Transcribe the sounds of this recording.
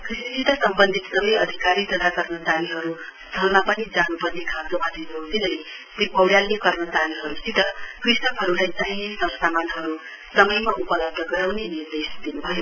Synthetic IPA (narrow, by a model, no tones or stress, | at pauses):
krisisit̪ʌsʌmbʌnd̪ʱit̪sʌbʌjʌd̪ʱikaɾit̪ʌt̪ʰakʌrmʌt͡saliɦʌɾu | st̪ʰʌlmapʌnid͡zanupʌrnekʰat̪obʱʌd̪ʱinʌɦt̪inʌli | t̪ebʌwɽjalːekʌrnʌt͡saliɦʌɾusit̪ʌkrisʌkɦʌɾulajt͡saɦĩsʌbʌsamanɦʌɾu | sʌmʌjmaʔupʌlʌb̚d̪ʱʌɡʌɾawnenird̪esd̪inubʱʌjo